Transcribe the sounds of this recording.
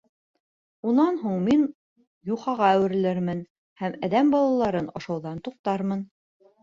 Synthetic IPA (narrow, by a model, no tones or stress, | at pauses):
unɑnɦuɴmin | juχɑʁɑæwɘ̆ɾɘ̆lɘɾmɘn | hæmæðæmbɑlˠɑlˠɑɾɤnɑ̰ʃɑwðɑnt̪uq̚t̪ɑɾmɤn